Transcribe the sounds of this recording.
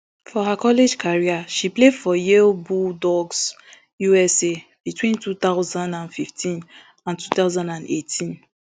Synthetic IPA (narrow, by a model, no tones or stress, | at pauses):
fɔɦakɔled͡ʒkʰaɹiaʃiplefɔjeobudɔɡs | juɛseb̥itwĩntut̪aʊzãndãnfiftʰĩn | ãntut̪aʊzãndãnetʰĩn